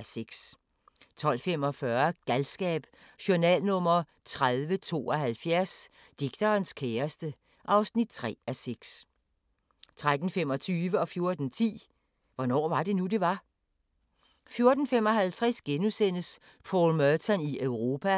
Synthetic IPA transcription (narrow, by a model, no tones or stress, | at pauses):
seɡ̥s | t͡sʰɒ̽l̰fem̰ɒ̽fɶɐɡ̥ælsɡ̥ɛ̰ːb̥ | ɕoɐnɛ̰ːlnɔ̽m̰ɐ | t͡sʰʁaðˠʋət͡sʰo̝̰ːɒ̽ɦælfjæɐ̰s | d̥iɡ̥̚d̥ʰɐːnskʰeːɐsd̥ə | ʔɑ̈ʊsnid̥̚t͡sʰʁɛ̰ːæseɡ̥s | t͡sʰʁad̥n̩fem̰ɒ̽t͡sʰyːʋəɒ̽fjo̝ɐd̥n̩t͡sʰḭː | ʋɒnɒ̰ːʋɑ̈d̥e̝nude̝ʋɑ̈ | fjo̝ɐd̥n̩fem̰ɒ̽ɦælt͡sʰʁɛsɡ̥enusen̰əs | pʰɒ̰ːlmœt͡sʰɒniʔøʊʁo̝ːpʰæ